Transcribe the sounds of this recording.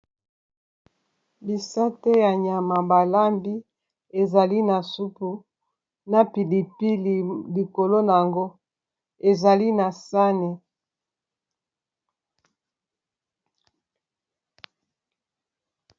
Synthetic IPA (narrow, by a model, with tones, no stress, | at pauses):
bi˨sa˦te˦ja˨ɲa˨ma˨ba˨la˦mbi˦ | e˨za˨li˦na˨su˦pu˨ | na˦pi˨li˨pi˦˨li˨ko˨lo˦na˨a˨ŋɡo˦ | e˨za˨li˦na˨sa˦ne˨